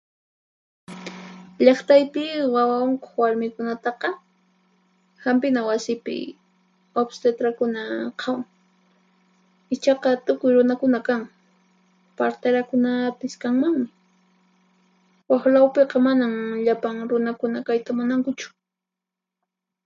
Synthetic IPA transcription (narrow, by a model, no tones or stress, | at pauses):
ʎɑχt̪ajpɪwawaʊŋkoχwaɾmɪkʊnat̪ɑqɑ | hampɪnawasɪpɪ̰ | obst̪et̪ɾakʊnaqʰɑwŋ | ɪt͡ʃɑqɑt̪ʊkʊjɾʊnakʊnakaŋ | paɾt̪aɾakʊnapɪskaŋmaŋmɪ | waxlawpeqɑmanamʎapaŋɾʊnakʊnakajt̪amʊnaŋkʊt͡ʃʊ̥